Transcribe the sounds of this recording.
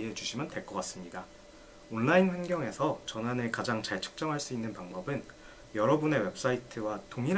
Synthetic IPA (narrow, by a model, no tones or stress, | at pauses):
ɦet͡ɕuɕʰimjʌnte̞ɭk͈ʌk͈as͈ɯmɲida | onːainɸwanɡjʌŋe̞sʰʌt͡ɕʌnanɯkad͡ʑaŋt͡ɕaɭt͡ɕʰɯ̥k̚t͡ɕ͈ʌŋɦaɭs͈uinːɯnpaŋbʌbɯn | jʌɾʌbune̞we̞p̚s͈aitʰɯwatoŋiɾ